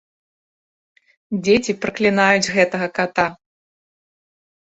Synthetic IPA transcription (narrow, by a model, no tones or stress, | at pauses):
d͡zʲet͡sʲipɾɐklʲinajud͡zʲɣɛt̪ɐɣɐkat̪a